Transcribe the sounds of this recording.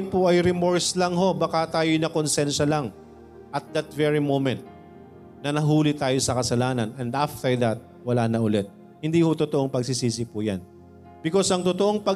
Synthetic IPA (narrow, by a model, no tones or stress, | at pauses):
npʊʔɐjɾɪmoɹslɐŋɦo̞bɐkat̪aːjojnɐkonsɛnʃɐlɐŋ | ʔɐt̪̚d̪ɐt̪̚vɛɹimomɛnt̪̚ | nɐnɐɦuːlɪt̪aːjo̞sɐkɐsɐlaːnɐnɛnd̪ʔaft̪ɛɹd̪ɐt̪̚ | wɐlaːnɐʔʊlɛt̪̚ | hɪnd̪iːhot̪ʊt̪oʔoŋpɐɡs̬isiːs̬ɪpʊja̰n | bɪko̞sɐŋt̪ʊt̪oʔoŋpɐ